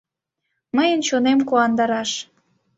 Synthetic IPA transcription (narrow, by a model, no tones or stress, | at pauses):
məjənt͡ɕonemkuɑnd̪ɑɾɑʃ